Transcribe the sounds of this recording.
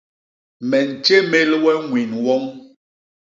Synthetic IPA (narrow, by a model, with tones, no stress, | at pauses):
mɛ˨n̩˨t͡ʃe˦me˦lwɛ˦ŋwi˨nwɔ˦ŋ